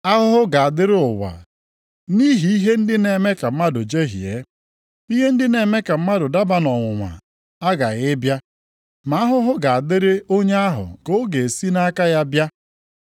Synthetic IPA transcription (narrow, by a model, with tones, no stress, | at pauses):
a˦ɦʊ˦ɦʊ˦ɡa˨a˨dɪ˦ɾɪ˦ʊ˨wa̰˨ | ni˦ɦi˨i˦ɦe˦n̩˦dɪ˦ne˨me˦ka˨m̩˦ma˦dʊ˨d͡ʒe˦ɦḭ˨ḛ˨˦ | i˦ɦe˦n̩˦dɪ˦ne˨me˦ka˨m̩˦ma˦dʊ˨da˦ba˦nɔ˨ŋʷʊ˨ŋʷa̰˨ | a˦ɡa˨ɣɪ˦bja˦ | ma˨a˦ɦʊ˦ɦʊ˦ɡa˨a˨dɪ˦ɾɪ˦o˦ɲe˦a˦ɦʊ̰˨ko˦ɡe˨si˦na˦ka˦ja˦bja˦